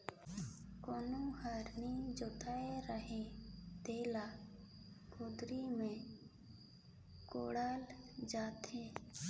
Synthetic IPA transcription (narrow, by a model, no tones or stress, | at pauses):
koːnũhaɾnid͡ʒot̪ʰaːeɾəɦẽd̪eːlaː | kod̪ɾimẽ | ko̰ːɽaːld͡ʒaːt̪ẽː